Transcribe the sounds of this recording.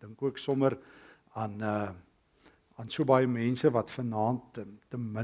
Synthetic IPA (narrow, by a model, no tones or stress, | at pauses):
d̥əŋkuəksɔməɾ | ɐnə | ɑnsuəbɑjəmɛnsəvɐtfənɑːntːəmə